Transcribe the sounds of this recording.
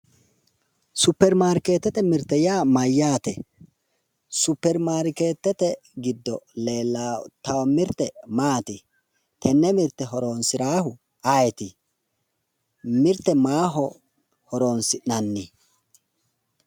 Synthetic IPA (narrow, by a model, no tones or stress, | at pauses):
sʊpːɛɾmaːɾke̞ːt̪ːɛt̪ɛmɪɾt̪ːɛjaːmɐjːaːt̪ɛ | sʊpːɛɾmaːɾkeːt̪ːɛt̪ɛ | ɡɪd̪ːɔle̞ːlːat̪ɐwɐmɪɾt̪ːɛmaːt̪ɪ | t̪ʰɛnːɛmɪɾt̪ːɛɦɔɾo̞ːnsɪɾaːhʊ | ajɛt̪ɪ | mɪɾt̪ːɛmaːɦɔ | hɔɾo̞ːnsɪnɐnːɪ